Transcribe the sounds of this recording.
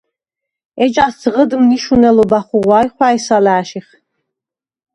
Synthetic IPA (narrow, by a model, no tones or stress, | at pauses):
ɛt͡ʃʼasd͡zʁəd̪mniʃunɛlɔbaχuʁwaːjχʷwaːɛsalaːʃiχ